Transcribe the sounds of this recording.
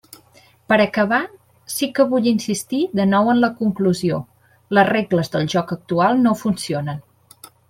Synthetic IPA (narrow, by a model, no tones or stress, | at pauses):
pəɾəkəβa | sikəβuʎinsist̪iðənɔwənləkuŋkluzio | ləzreɣləzðəlˠʒɔkək̚t̪ualˠnofunsionən